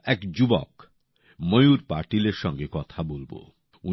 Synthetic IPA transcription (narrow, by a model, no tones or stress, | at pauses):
ɛkd͡ʑubɔ̰k | mojuɾpaɾʈileɾʃɔŋɡekɔt̪ʰabolbo̰ | u